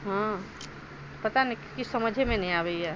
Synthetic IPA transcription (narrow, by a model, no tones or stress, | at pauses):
ɦã | pɐt̪anikkɪsɐməd͡ʒʱemẽnɐɦĩaːɾeiɛ